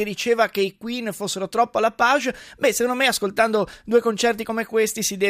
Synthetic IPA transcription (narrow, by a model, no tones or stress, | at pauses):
ed̪it͡ʃeːvakeikwinfosːeɾot̪ɾɔpːoalːapaʒbɛsekond̪omeaskolt̪and̪od̪uːekont͡ʃɛrt̪̬ikomekwest̪isid̪ɛ